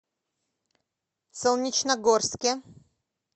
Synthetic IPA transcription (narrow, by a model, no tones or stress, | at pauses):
sɔwɲʲit͡ʂnaɡɔɾskʲɛ